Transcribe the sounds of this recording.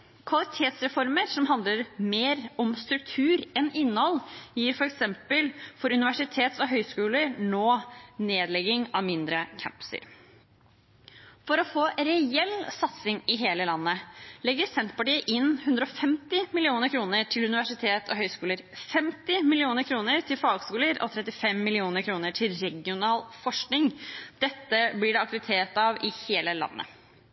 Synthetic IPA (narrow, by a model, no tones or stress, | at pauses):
kʰʋɑlɪt̪ʰeːt̪sɾɛfɔɾməɾsɔmɦɑnd̪ləɾmeːɾɔmst̪ɾʉk̚t̪ʰʉːɾɛnɪnːəhɔljiːɾfɔɾɛksɛmpəlfɔɾʉnɪʋæʂɪt̪ʰeːt̪sɔɦœʏskʉːləɾnoːneːd̪lɛɡɪŋɑʋmɪnd̪ɾəkʰæ̰mpsə̰ɾ | fɔɾɔfoːɾɛɛlːsɑt̪sɪŋɪɦeːləlɑnːəlɛɡəɾsɛnt̪pɑʈiːəʔɪnːhʉnd̪ɾəɔfɛmt̪ɪmɪlɪuːnəɾkʰɾuːnəʈʰɪlʉnɪʋæʂɪt̪ʰeːt̪ʰɔɦœʏskuːləɾfɛmt̪ɪmɪlɪuːnəɾkʰɾuːnəɾt̪ʰɪlfɑːɡskuːləɾʔɔ̰t̪ʰɾɛt̪ːɪfɛmːɪlɪuːnəɾkʰɾuːnəʈʰɪlɾɛɡɪʊnɑːlfɔʂknɪŋd̪̥ɛt̪ːəblɪɖɛɑk̚t̪ʉɾɪt̪ʰeːt̪ɑʋɪheːləlɑ̰nːə̰